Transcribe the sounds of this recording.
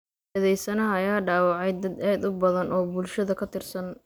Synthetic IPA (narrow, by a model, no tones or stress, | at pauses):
ɐðɛjsɐnɐɦɐɐjaːɖaːwɑʕɛjd̪ɐd̪ɛːd̪ʊbɐðɐnʔɔːbʊlʃɐðɐkʰɐt̪ʰɪrsɐn